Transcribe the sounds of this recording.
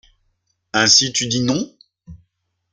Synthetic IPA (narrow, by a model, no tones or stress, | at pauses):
ɛ̃sit̪yd̪inɔ̃